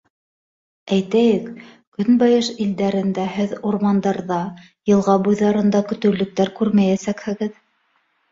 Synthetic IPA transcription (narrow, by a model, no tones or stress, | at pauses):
æjt̪æjɘk | kɵnbɑjɤʃild̪æɾɘ̆nd̪æhɘðuɾmɑnd̪ɑɾðɑ | jɤ̆lˠʁɑbujðɑɾɤ̆nd̪ɑkɵ̆t̪ɵ̆lːɵ̆k̚t̪æɾkʉɾmæjæsækhɘ̆ɡɘð